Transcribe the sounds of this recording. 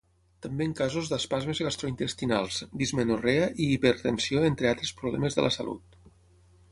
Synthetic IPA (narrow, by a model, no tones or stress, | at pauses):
t̪ambeəŋkazuzðəspazmezɣast̪ɾoint̪əst̪inalˠzd̪izmənureaʔiːpəɾt̪ənsioent̪ɾealˠt̪ɾespɾuβlɛ̰məzðə̰lʔə̰sa̰lʔṵt̪̚